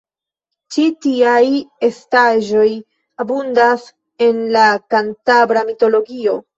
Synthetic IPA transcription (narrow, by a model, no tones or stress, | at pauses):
t͡ʃitiaje̞staʒo̞j | abundas | e̞nlakantabɾamito̞lo̞ɡio̞